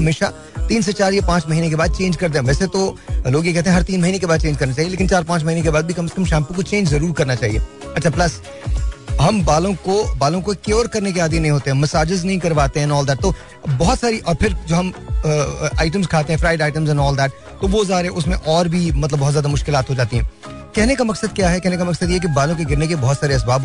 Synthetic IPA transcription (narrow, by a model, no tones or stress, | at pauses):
ɦɐmeːʃa | t̪iːnset͡ʃaːɾjapãːt͡ʃmɐɦiːnek̬ebaːd̪̚t͡ʃẽːnd͡ʒkɐɾd̪ẽːʋɛːset̪oloːɡjekɛɦt̪eɦɛɦɐɾt̪iːnmɐɦiːnekebaːd̪t͡ʃẽːnd͡ʒkɐɾnat͡ʃaːɦieleːkɪnt͡ʃaːɾpãːt͡ʃmɐɦiːnekebaːd̪̚bʱikɐməskɐ̃mʃɛ̃ːmpõkot͡ʃẽːnd͡ʒzɐɾuːɾkɐɾnat͡ʃaːɦḭḛːɐtːt͡ʃʰaplɐs | ɦɐmbaːlõkobaːlõkokeɔːɾkɐɾnek̬eaːd̪jinɐɦĩɦoːt̪eɦɛ̃mɐsaːd͡ʒɪznɐɦĩkɐɾʋaːt̪eɦɛ̃nɔːld̪ɛːʈ̚t̪oː | bɔɦɔt̪saːɾiʔɔːɾpʰɪɾd͡ʒoːɦɐmː | aːɪʈ̬ə̃mzkʰaːt̪eɦɛ̃fɾaːɪɖaːɪʈə̃mzɛ̃nɔːld̪ɛːʈ | t̪oʋozaːɾɛ̃ʔʊsmẽʔɔːɾbʱimɐt̪ləbːɔɦːt̪zjaːd̪amʊʃkɪlaːt̪ɦod͡ʒaːt̪iɦɛ̃ː | kɛɦnekamɐksəd̪̚kjaːɦɛkɛɦnekamɐksəd̪jeɦɛk̬ibaːlõkeɡɪɾnekebɔɦɔt̪saːɾeɐsbaːb